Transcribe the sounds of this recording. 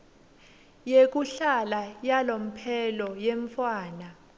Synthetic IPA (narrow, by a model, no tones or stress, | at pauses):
jek̬ʼuɬalajalom̩pʰɛlɔjeɱfwaːna